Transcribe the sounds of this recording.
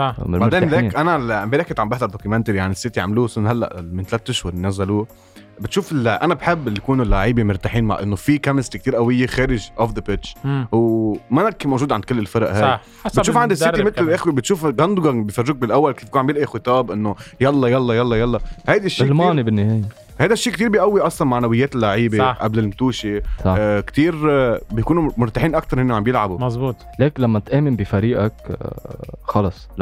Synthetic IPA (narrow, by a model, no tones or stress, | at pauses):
ɑbaʕɾeːnlːʔanalmbeɾakɪt̪ʕambɪħd̪ɑɾˤd̪okumænt̪ɾijaʕnisːɪt̪iʕa̰mluːsɪnɦalːa̰ʔmɪnt̪alaːt̪t̪ːʊʃhʊɾˤnːæzːaluː | bɪt̪ʃuːfɪlʔanabħɪbːlijkuːnulːaʕiːbimʊɾˤt̪aħiːnma̰ʕʔɪnːofikæmɪst̪ik̚t̪iːɾʔawɪjːexeːɾɪʒʔofðəpɪt̪t͡ʃwmanakːmowʒuːd̪ʕand̪kʊlːɪlfɑɾˤɑʔha | bɪt̪ːʃuːfʕand̪isːɪimɪt̪lʔexwibɪt̪ʃuːfɡand̪uɡanbɪjfarːɪk̚bɪlʔawːalkiːfkuːnʕabjɪlʔixʊt̪ˤɑːbʔɪnːojɑlˤːɑjɑlˤːɑjɑlˤːɑjɑlˤːɑhajd̪aʃːlmɑːnibɪnːɪheːje | hajd̪aʃːiːkt̪iːɾbijʔawːiʔɑsˤlɑnmaʕnawɪjːeːt̪ɪlːaʕiːbeʔablɪlmt̪uːʃisɑkt̪iːɾbjkuːnumʊɾt̪aħiːnʔak̚t̪ɑɾˤhɪnːiʕambjɪlʕabumɑzˤbuːt̪ˤ | leːknlamːaɪt̪ʔeːmɪnbɪfaɾiːʔak | xɑlɑsˤ